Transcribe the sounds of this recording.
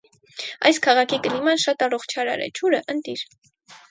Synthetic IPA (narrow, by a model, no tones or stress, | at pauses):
ɑ̰jskʰɑʁɑkʰikəlimɑnʃɑt̪ɑrɔχt͡ʃʰɑɾɑ̰ɾɛ̰t͡ʃʰuɾəʔənt̪iɾ